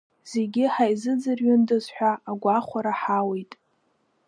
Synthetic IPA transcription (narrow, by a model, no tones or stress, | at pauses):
z̥eɡʲɪħajzɨd͡zɨrɥʊndɨzħᶣʷaːɡʷaχʷaɾaħawejtʼ